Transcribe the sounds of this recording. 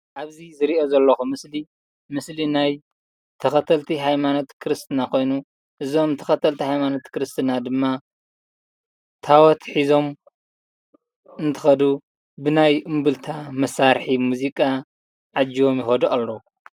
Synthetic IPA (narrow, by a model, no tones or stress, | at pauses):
ʔaβzizɨɾiʔo̞zɐlːɐxumɨsli | mɨslinaj | t̪ʰɐxɐt̪ʰɐlt̪ʰiɦajmanot̪kʰɨɾɨst̪ʰɨnakʰo̞jnu | ʔɨzo̞mt̪ʰɐ̥xɐt̪ʰɐlt̪ʰihajmanot̪kɨɾɨst̪ʰɨnad̪ɨmːa | t̪ʰawɔt̪ħizo̞m | ɨnt̪ʰɨ̥xɐd̪u | bɨnajɨmbɨlt̪ʰamɐsaɾħimuzikʼa | ʕad͡ʒːiwo̞mjɪxɐd̪uʔalːou